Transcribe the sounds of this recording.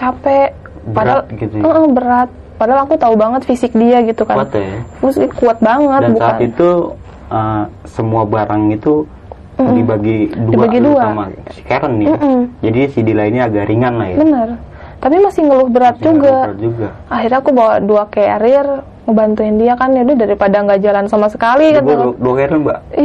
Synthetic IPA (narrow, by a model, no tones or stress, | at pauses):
t͡ʃapɛʔ | adal̚ɡit̪əʔəhbəɾat̪̚ | padaalakut̪aubaŋət̪fisɪk̚diaɡit̪ukat̪jmuskuat̪̚baŋət̪dabuait̪u | ə | səmuabaɾaŋit̪u | ibaɡidudiabaɡiduaamasi̥keɾənːɪm̩d͡ʒadisidilainɲiaɡaɾʔiŋanlahjabənər | t̪apimasɪhŋəlʊhbəɾat̪̚d͡ʒuɡad͡ʒuɡa | aɦirɲakubawaduakeɾr | ŋəbant̪uɪndiakanadɛdaɾipadaŋɡad͡ʒalansamasə̥kalikanduakeɾənba̰